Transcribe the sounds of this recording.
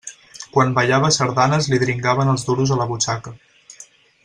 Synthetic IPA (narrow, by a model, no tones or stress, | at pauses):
kwanbəʎaβəsəɾðanəzliðɾiŋɡaβ̞ənəlˠzduɾuzələβut͡ʃakə